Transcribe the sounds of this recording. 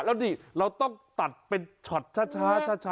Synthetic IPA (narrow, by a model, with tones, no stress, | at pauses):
lɛː˦˥wniː˧˨˩ɾa˧wt̪ɔ˥˩ŋt̪a˨˩t̪̚pe˧nt͡ɕʰɔ˨˩t̪̚t͡ɕʰaː˥˩t͡ɕʰaː˥˩t͡ɕʰaː˥˩t͡ɕʰa˦